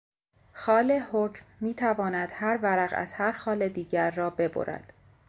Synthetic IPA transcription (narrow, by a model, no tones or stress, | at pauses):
xɒːle̞hoːcʰmːiːt̪ʰævɒːnæd̪̥hæɾvæɾæɣæ̰z̥hæɾxɒːle̞d̪iːɟæɾːɒːbe̞bo̰ɾæ̰d̪̥